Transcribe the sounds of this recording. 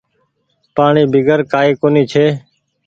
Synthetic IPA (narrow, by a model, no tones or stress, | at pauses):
paːɳiːbʱɪɡəɾkaːiːkoːniːt͡ʃʰeː